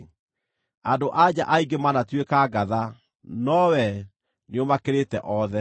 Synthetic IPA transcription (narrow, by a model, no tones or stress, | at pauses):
andoʔad͡ʑa̰ʔaiɡemanatwekaːɡaða | nɔwɛ | neomakeɾetɛʔɔðɛ